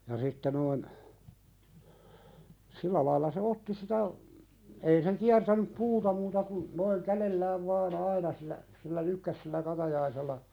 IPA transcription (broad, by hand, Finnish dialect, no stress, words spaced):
jɑ sitːe noin silːæ lɑilɑ se otːi sitæ ei se kiærtænyp puːtɑ muːtɑ kun noiŋ kælelːæːʋ ʋɑːn ɑinɑ silːæ silːæ lykːæs silːæ kɑtɑjɑiselːɑ